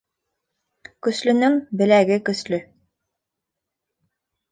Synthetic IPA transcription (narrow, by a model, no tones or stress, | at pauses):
kɵ̆slɵ̆nɵŋbɘ̆læɡɘkɵ̆slɵ